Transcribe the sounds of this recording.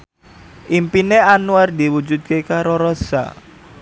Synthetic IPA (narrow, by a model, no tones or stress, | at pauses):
ʔimpineanuard̪iwud͡ʒud̪̚kekaɾoɾɔsa̰